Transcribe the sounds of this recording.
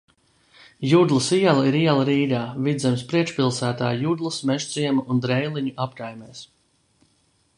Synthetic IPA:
jud̪lˠɨsiɛlˠaiɾiɛlˠɐɾiːɡ̪aːvid̪zɛmspɾiɛkʃpilˠsæːt̪aːjud̪lˠɨsmɛʒziɛmaund̪ɾɛjlˠiɲuʔapkajmɛːs

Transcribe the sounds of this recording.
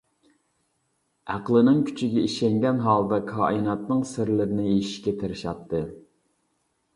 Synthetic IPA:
ʔæqlˠɨnɨŋkʲʰy̥t͡ʃʰiɡʲɛiʃɛŋɡʲɛnɦɑːlˠd̪ɑkʰɑːʔinɑt̪nɨŋsɪɾlɪɾɪnɪiʃi̥ʃkʲɛt̪ʰɪɾɪʃɑt̪ʰːɨ

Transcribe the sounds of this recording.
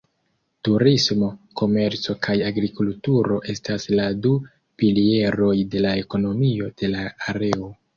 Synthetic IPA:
tuɾismo̞ko̞me̞ɾt͡so̞kʰajaɡɾikultuɾo̞ʔe̞stasladu | pilie̞ɾo̞jde̞lae̞ko̞no̞mio̞d̥e̞laaɾe̞o̞

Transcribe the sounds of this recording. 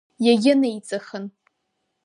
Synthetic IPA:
jaɡʲɪnejt͡sʼaχən

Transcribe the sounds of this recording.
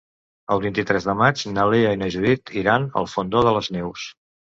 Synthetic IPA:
əlˠβint̪it̪ɾɛzðəmad͡ʒnəleainəʒuðit̪ʰiɾanə̰lˠfond̪oðələznɛws

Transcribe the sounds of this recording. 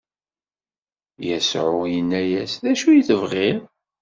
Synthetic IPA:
jæsʕʊjənːæjæsðæʃujəθəvʁɪɾ

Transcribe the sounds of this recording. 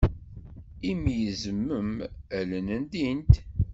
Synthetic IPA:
imjəzəmːəmælənənd̪int̪

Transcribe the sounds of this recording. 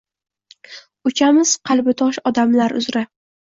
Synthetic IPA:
ʊt͡ʃʰamɪz̥qʰɑlˠbɪt̪ʰɒʃɒd̪amlaɾʊ̰zɾa

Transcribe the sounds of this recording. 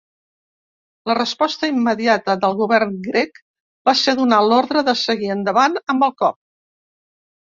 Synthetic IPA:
lərəspɔst̪əimːəðiat̪əðəlˠɣuβɛrnɡɾɛk | baseðunalɔɾðɾəðəsəɣiənd̪əβanəmbəlˠkɔp̚

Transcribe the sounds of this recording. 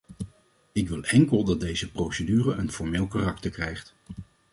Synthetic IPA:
ɪkʋɪlˠɛŋkəlˠdɑt̚d̚dejzəprowsədyːrəʔənfɔɹmeːlˠkarɑktəɹkrɛjχt

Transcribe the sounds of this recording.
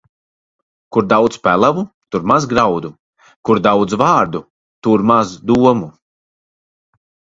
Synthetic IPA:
kuɾd̪awd̪spælˠavu | t̪uɾmazɡɾawd̪u | kuɾd̪awd̪zvaːɾd̪u | t̪uɾmazd̪uɔmu

